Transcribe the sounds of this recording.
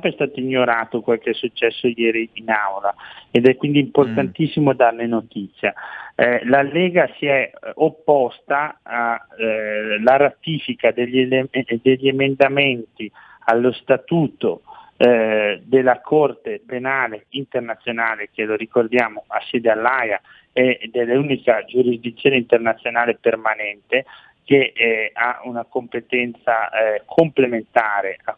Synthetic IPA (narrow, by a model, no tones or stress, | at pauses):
sɛmpɛst̪aːt̪oiɲːoɾaːt̪okwalkeɛsːut͡ʃːɛsːojɛːɾiːnawlaed̪ɛkːwind̪iːmport̪ant̪isːimod̪arnenot̪it̪sːja | lalːɛːɡasiɛopːɔst̪aa | laɾat̪iːfikad̪eʎːed̪eʎːemend̪ament̪i | alːost̪at̪uːt̪o | d̪elːakʰɔrt̪epenaːleint̪ernat̪sːjonaːlek̟eloɾikord̪jaːmoasːɛːd̪ealːaja | ɛd̪elːeuːnikad͡ʒuɾizd̪it̪sːjoːneint̪ernat̪sːjonaːlepermanɛnt̪e | k̟ea̰unakompet̪ɛnt̪sakʰomplement̪aːɾea